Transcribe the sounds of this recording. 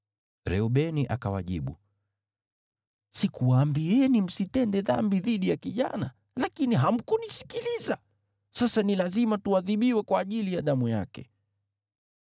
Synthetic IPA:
ɾɛuɓɛniʔa̰kawa̰ʄḭɓṵ | sikuwaːmbiɛnim̩sitɛndɛða̰mbiðiɗijakiʄa̰na | lakiniɦam̩kunisi̥kiliza | sasanilazimatuwaðiɓiwɛkwaːʄilijaɗamujakɛ̰

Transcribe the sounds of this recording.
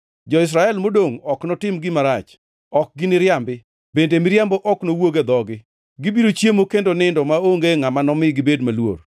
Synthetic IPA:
d͡ʒɔɪs̬ɾaɛlmodoŋɔknɔtɪmɡɪmaɾat͡ʃ | ɔk̚ɡɪnɪɾjambɪ | bendemɪɾjambɔʔɔknowoɡed̪ɔɡɪ | ɡɪbiɾot͡ʃjemokendonɪndɔmaoŋɡeŋamanɔmɪɡɪbedmalwo̰r

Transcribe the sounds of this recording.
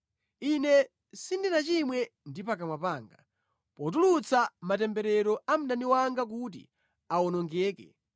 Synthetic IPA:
inɛ | sindinat͡ʃimwɛndipakamwapaːŋɡa̰ | pɔt̬ulut͡samatɛmbɛɾɛɾɔam̩naniwaŋɡak̬ut̬ḭ | awɔnɔŋɡɛːkɛ̰

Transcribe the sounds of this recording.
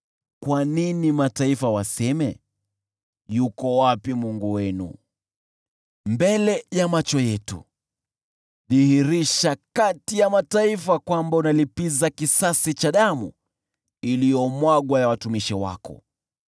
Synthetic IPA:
kwaninimataifawasɛmɛ | jukɔwapimuŋɡuwɛnṵ | mbɛlɛjamat͡ʃɔjɛtṵ | ðihiɾiʃakatijamataifakwambaunalipizakisasit͡ʃaɗamu | ilijɔmwaɡwajawatumiʃiwa̰kɔ̰

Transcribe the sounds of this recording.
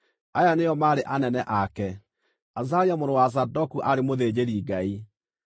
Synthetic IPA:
ajanejɔmaːɾeʔanɛnɛʔakɛ | azaɾiamoɾowasadɔkuʔaɾemoðed͡ʑeɾiɡai

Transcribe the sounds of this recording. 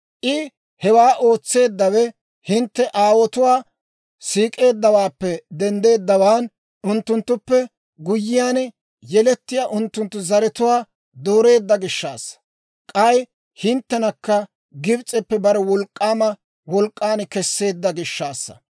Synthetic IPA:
ʔɪ | hɛwaːʔo̞ːt͡sːe̞ːd̪ːɐwɛ | hɪnt̪ːɛʔaːwɔt̪ʊwaː | siːkʼe̞ːd̪ːɐwaːpːɛd̪ɛnd̪e̞ːd̪ːɐwaːn | ʔʊnt̪ːʊnt̪ːʊpːɛ | ɡʊjːɪjaːn | jɛlɛt̪ːɪjaːʔʊnt̪ːʊnt̪ːʊzɐɾɛt̪ʊwaː | d̪oːɾe̞ːd̪ːɐɡɪʃːaːsːɐ̥ | kʼɐj | hɪnt̪ːɛnɐkːɐ | ɡɪbt͡sʼɛpːɛbɐɾɛwɔlkʼːaːmɐ | wɔlkʼːaːnkɛsːe̞ːd̪ːɐɡɪʃːaːsːɐ̥̰

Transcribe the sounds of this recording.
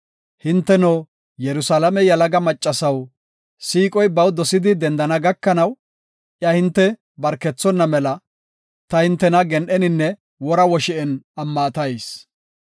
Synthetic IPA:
hɪnt̪ːɛnoː | jɛɾʊsalɐmɛjɐlɐɡɐmɐt͡ʃʼːɐsɐw | siːkʼɔjbɐwd̪ɔsɪd̪ɪd̪ɛnd̪ɐnɐɡɐkːɐnɐw | ʔjɐhɪnt̪ːɛ | bɐɾkːɛt͡sːɔnːɐmɛlɐ | t̪ɐhɪnt̪ːɛnɐɡɛnʔɛnɪnːɛ | wɔɾɐwɔʃɪʔɛnɐmːɐt̪ɐjs

